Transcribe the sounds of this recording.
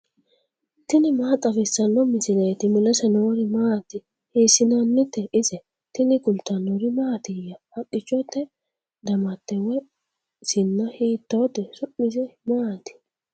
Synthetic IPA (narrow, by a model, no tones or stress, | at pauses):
t̪ɪnɪmaːt̪ʼɐfɪsːɐnːɔmɪsɪlɐt̪ɪmɪlɐsɛnoːɾɪmaːt̪ɪ | hiːsːɪnanːɪt̪ːɛʔɪsɛ | t̪ɪnɪɡʊlt̪ːɐnːoɾɪmaːt̪ɪjɐhɐkʼːɪt͡ʃʼːɔt̪ːɛ | d̪ɐmɐt̪ːɛwɛ | sɪnːɐhiːt̪ːoːt̪ːɛsʊʔɪsɛmaːt̪ɪ̥